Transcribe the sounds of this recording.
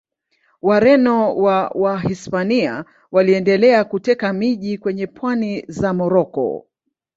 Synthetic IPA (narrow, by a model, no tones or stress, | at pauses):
waɾɛnɔwawaɦispania̰ | waliɛndɛlɛakutɛkamiʄikwɛɲɛpʰwanizamɔɾɔkɔ̰